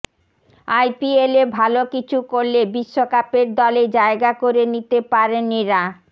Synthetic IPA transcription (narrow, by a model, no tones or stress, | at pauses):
ajpielebʱalokit͡ɕʰukoɾlebiʃːokapeɾd̪ɔled͡ʑaeɡakoɾenit̪epaɾenːiɾa